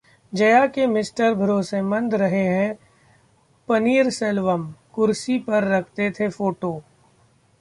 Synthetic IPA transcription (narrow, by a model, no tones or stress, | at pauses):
d͡ʒɐjakemɪsʈəɾbʱɐɾoːsemɐ̃nd̪ɾɐɦeɦɛ̃ | pɐniːɾsɛlʋəmkʊɾsipɐɾːɐkʰt̪et̪ʰefoːʈoː